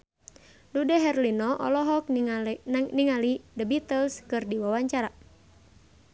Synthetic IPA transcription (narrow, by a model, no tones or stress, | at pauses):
ludɛɦɛrlinɔʔɔ̰lɔɦɔk̚ | niŋalidəbit̪əlskɨrdiwawaɲt͡ʃaɾa